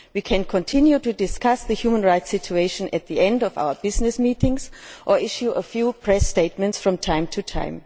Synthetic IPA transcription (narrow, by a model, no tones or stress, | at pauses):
wiːkʰɛ̃nkʰɔ̃ntʰɪ̃njutudɪskasðɨhjuːmə̃nɹaɪtsɪt͡ʃueɪʃə̃nʔɨt̪̚ðiɛ̃ndɔva̰ʊə˞bɪznɨsmiːtɪ̃ŋzʔə˞ɪʃuʔəfjupʰɹ̥ɛsteɪt̚mɛ̃ntsfɹɔ̃mtʰãɪ̃mtʰutʰã̰ɪ̃m